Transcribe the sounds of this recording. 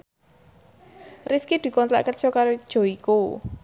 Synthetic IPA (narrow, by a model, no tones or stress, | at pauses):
rifkid̪̥i̤kɔnt̪la̰ʔkərd̥ʒ̥ɔkaɾod̥ʒ̥o̤iko